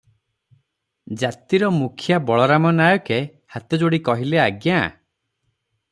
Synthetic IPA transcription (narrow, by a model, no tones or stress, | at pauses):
d͡ʒat̪iɾɔmukʰjabɔɭɔɾamɔnajɔke | hat̪ɔd͡ʒoɽikɔɦileaɡja